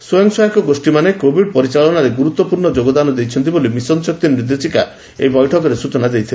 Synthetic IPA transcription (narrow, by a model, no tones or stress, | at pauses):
sojɔŋsɔjɔkɔɡosʈimanekobʱiɖ̚pɔɾit͡ʃaɭɔnaɾeɡuɾut̪wɔpuɾɳɔd͡ʒoɡɔd̪anɔd̪ejt͡ʃʰɔnt̪ibolimisɔnsɔk̚t̪imɾid̪et͡ʃika | ḛjbɔjʈʰɔkɔɾesut͡ʃɔnad̪ejt̪ʰile